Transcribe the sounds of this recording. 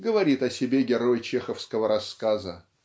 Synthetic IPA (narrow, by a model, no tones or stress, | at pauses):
ɡəvɐɾʲit̪ɐsʲɪbʲeɡʲɪɾo̞jt͡ɕexəfskəvəɾɐskazə